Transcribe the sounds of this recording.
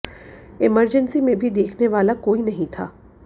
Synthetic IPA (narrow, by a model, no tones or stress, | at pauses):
ɪməɾd͡ʒənsimẽbʱid̪eːkʰneʋaːlakoːinɐɦĩt̪ʰa̰ː